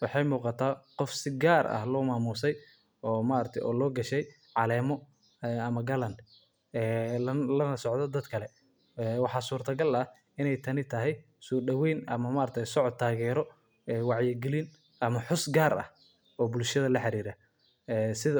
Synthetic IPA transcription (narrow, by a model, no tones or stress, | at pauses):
wɑħɑjmuːqɑt̪ʰaːqɔfsɪɡaːrɐ̰hlɔːmaːmuːsɛj | ɔːmaɾɐt̪ʰɛʔɔ̰ːlɔːɡɐʃɛj | ʕɑlɛːmɔ | ɛɐmɐɡɐlɐnd̪ | ɛːlɐnɐsɔʕd̪ɔd̪ɐd̪kʰɐlɛ | ɛːwɑħɑːsuːrt̪ʰɐɡɐlɐh | ɪnɛjt̪ʰɐnɪt̪ʰɐɦɛj | sɔːɖɐwɛjnɐmɐmaɾt̪ʰɛjsɔʕɔd̪̚t̪ʰːaːɣɛːɾɔ | ɛːwɑʕjɪɡɛlɪn | ʔɐmɐħʊsɡaːɾɐ̰h | ɔːbʊlʃɐðɐlɐħɑɾiːɾɐ | ɛːsɪðɐ